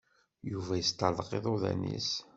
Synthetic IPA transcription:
juvæjəst̪əɾðˤəqeðˤoðæ̰nḭs

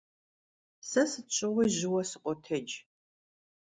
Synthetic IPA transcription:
sɐsɨt͡ʃʼɪʁʷiːʑɪwɐsɨqʷʼɔtʰɐd͡ʒ

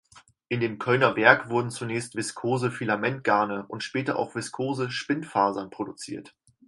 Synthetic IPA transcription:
ʔɪndeːmkʰœlnɐvɛɐkv̥ʊɐdn̩t͡sunɛːçstv̥ɪskʰoːzəfilamɛnt̚ɡ̥aɐnəʔʊntʃpɛːtɐʔa̰ʊxv̥ɪskʰoːzəʃpɪnfaːzɐnpʁ̥odut͡sḭːɐt

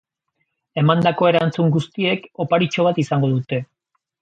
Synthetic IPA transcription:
e̞mand̪ako̞eɾant͡suŋɡust̪ie̞ko̞paɾit͡ʃo̞β̞at̪isaŋɡo̞ðut̪e̞

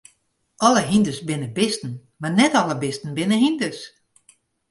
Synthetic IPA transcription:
ʔɔləɦindəsbɪnəbɪstn̩ | marnɛtɔlˠəbɪstn̩bɪnəɦindəs

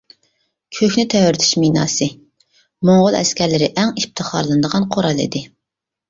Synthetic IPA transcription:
kʲʰøkʲnɪt̪ʰɛwɾt̪ʰy̥ʃminɑ̰ːsɨ | moŋʁʊlˠɛ̰skʲʰæɾlɪɾɪʔɛŋip̚t̪ʰɨχɑɾlˠɨnd̪əʁɑnqʰoɾɑlˠḭd̪ɪ

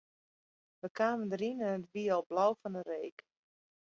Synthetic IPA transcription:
ʋəkʰaːməndəɾinənətʋiəɔlˠblawfɔnəreːk

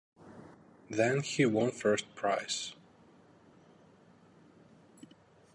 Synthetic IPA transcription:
ðɨ̃nhiwʌ̃nfɜ˞st̚pʰɹ̥aɪs

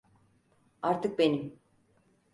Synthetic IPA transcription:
aɾt̪ʰɯk̚benim

